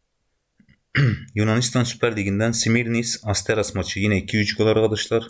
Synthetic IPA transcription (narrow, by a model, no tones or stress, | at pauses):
junɑnist̪ʰɑnsy̥pʰæɾlɪɡʲind̪ɛnsimiɾnisɑst̪ʰɛɾɑsmɑt͡ʃʰijinɛikʲʰːiyt͡ʃɡ̪olˠːɑɾʁɑd̪ɑʃlˠɑɾ